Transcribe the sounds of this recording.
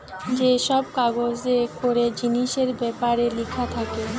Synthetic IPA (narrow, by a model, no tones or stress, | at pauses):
d͡ʑeʃɔb̚kaɡod͡ʑekoɾed͡ʑiniʃeɾbɛpaɾelikʰat̪ʰake